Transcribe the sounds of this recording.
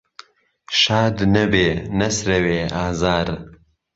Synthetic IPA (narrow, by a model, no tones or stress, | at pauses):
ʃaːd̪nɐbeːnɐsɾɐweːʔaːzaːɾ